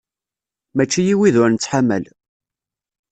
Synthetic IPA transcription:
mæt͡ʃːijiwiðʊɾnət͡sːħamːə̰l

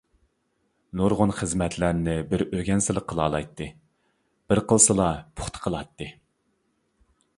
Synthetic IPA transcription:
nuɾʁʊnχəzmɛt̪ʰlæɾnɪbɪɾøɡʲɛnsɪlˠəqʰːəlˠɑːlˠɑ̰jt̪ʰːɨ | b̥ɪɾqəlˠsɨlˠɑpʰʊ̥χt̪ʰə̥qʰəlˠɑt̪ːɨ

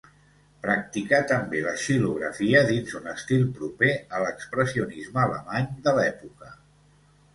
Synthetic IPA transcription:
pɾək̚t̪ikat̪əmbeləʃiluɣɾə̰fiəðinzunəst̪ilˠpɾupeələkspɾəsiunizməːlə̰maɲd̪əlɛpukə

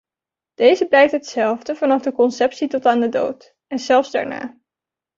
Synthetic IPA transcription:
d̥ejzəblɛjk̚tɦətsɛlˠvdəvɑnɑχdəkɔnsɛpsitɔtaːndədo̰wt | ɛnzɛlˠfzda̰ɹna̰ː

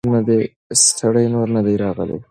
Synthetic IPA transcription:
nəd̪ej | st̪ʰaɽəjnoɾnəd̪ajɾɑɣə̰lḛd̪

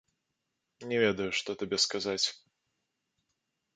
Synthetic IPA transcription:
nʲɛvʲɛd̪ɐjuʂt̪ɔt̪abʲɛskazat͡sʲ

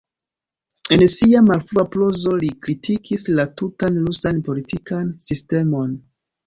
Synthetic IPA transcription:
e̞nsiamalfuaplo̞zo̞likɾitʰikʰislatutanlusanpo̞litʰikansiste̞mo̞n

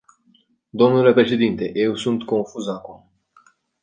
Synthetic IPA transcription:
d̪o̞mnule̞pɾe̞ʃe̞d̪int̪e̞je̞wsunt̪ko̞nfuzakum

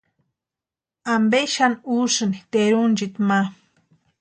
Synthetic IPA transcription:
ambeʃanusnit̪eɾund͡ʒit̪ma

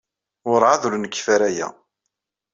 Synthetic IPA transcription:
ʊɾʕaðɾunəkːfæɾæjæ̰

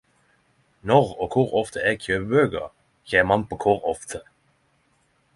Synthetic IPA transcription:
nɔʁoːkʰʊʁɔft̪ʰəɛːɡçʰøːbbøːɡə̰ | çeːmɑnpʰoːkʰʊʁɔft̪ʰə

